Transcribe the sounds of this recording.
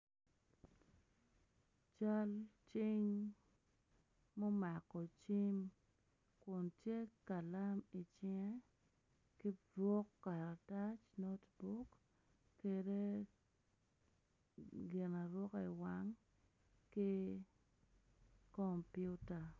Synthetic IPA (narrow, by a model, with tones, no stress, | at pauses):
t͡ʃa˦lt͡ʃi˦ŋ | mɔ˦ma˨kɔ˨t͡ʃi˦m | kʊ˨ntje˦ka˨la˦mi˨t͡ʃɪ˦ŋɛ˦ | ki˦dwɔ˦kːa˨ɾa˨ta˦t͡ʃno˦tbu˦kː | e˦de˦ | ɡɪ˨na˨ɾwɔ˦ki˨wa˦ŋ | ki˦ | ko˨mpju˦ta˨